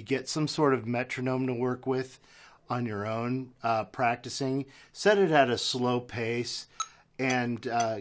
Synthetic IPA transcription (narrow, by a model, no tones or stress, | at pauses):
ɡɛtsʌ̃msɔɹɾʌvmɛt͡ʃɹ̥ɨnõʊ̃mtəwɜ˞kwɪð | ə̃njə˞õʊ̃npʰɹ̥æk̚tɨsɪ̃ŋsɛɾɨɾɨɾɨsloʊpʰeɪs | ɨ̃n